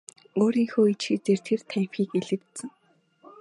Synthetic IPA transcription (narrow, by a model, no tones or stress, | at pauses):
oːɾiːŋxoːit͡ɕxit͡seːrt̪ʰert̪ʰæːm̥pxiːkeɮɘ̆kt̪sɘ̆ŋ